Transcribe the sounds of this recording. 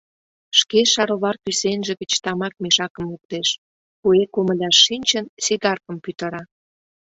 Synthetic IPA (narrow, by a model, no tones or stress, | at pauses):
ʃkeʃɑɾoβɑrkysenʒĕɣə̆t͡ɕt̪ɑmɑk̚meʃɑkə̆mluk̚t̪eʃ | kuekoməlʲɑʃːinʲt͡ɕənsiɣɑrkə̆mpyt̪ə̆ɾɑ